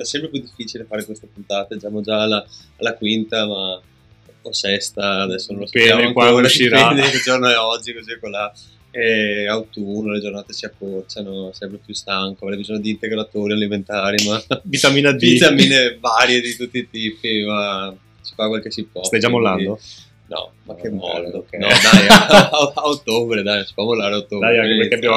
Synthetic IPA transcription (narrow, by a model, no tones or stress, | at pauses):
ɛsːɛmpɾepjud̪ifːiːt͡ʃilefaːɾekwest̪epunt̪aːt̪ad͡ʒamod͡ʒaːlaː | lːakwint̪ama | osɛst̪aːd̪ɛsːonõnlosjameaŋkwaoːɾasiɾead̪ked͡ʒornoɛɔd͡ʒːikozikola | ɛawt̪unːoled͡ʒornaːt̪esiapːɾort͡ʃanosɛmpɾepjust̪aŋkoavɾɛjbizɔɲːod̪iːnt̪eɡɾat̪oːɾialiment̪aːɾimavit̪aminad̪it̪aminevaɾjed̪it̪ut̪ːiːt̪iːpima | si̥fakwalkesipwɔst̪ajd͡ʒamolːa̰nid̪o | nɔ̰ma̰kːemːɔ̰ld̪onɔd̪ajoaot̪ːobɾed̪ajsi̥pwɔmolːaːɾeaot̪ːobd̪ajaŋepeɾkeabja